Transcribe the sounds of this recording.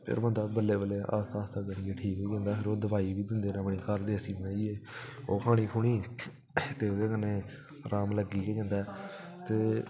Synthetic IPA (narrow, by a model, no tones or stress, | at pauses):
pʰɪ̰ɾmə̃ːnd̪aːbəlːeːbəlːeːʔa̰ːst̪aːst̪aːkəniɡeʈʰiːkɦoːd͡ʒãːnd̪aːpʰɪɾoːd̪əʋaːiːʋiːd̪ɪnd̪eːnãːpɳiːkəɾd̪eːəsiːbənaːiːeːoːkʰaːɽ̃iːkʰuːɽ̃iː | t̪eːod̪eːkənːeː | ɾʔaːmləɡiːkeːd͡ʒãːnd̪aːɛt̪eː